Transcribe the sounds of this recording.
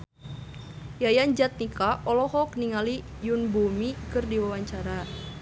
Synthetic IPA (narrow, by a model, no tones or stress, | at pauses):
jajand͡ʒat̪̚nikaʔɔlɔhɔk̚niŋali | junbumikɨrdiwawaɲt͡ʃaɾa